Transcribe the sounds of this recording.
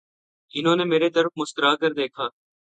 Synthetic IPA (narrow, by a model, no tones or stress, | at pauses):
ɪnɦõːneːmeːɾeːd̪əɾfmʊst̪əɾaːkəɾd̪eːkʰaː